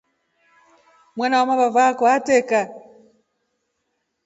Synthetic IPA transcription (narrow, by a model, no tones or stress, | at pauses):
mwanawamaβavakɔatɛka